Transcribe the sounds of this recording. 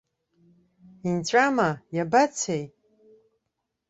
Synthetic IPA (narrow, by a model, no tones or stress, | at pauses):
int͡ɕʷʼamajabat͡sʰej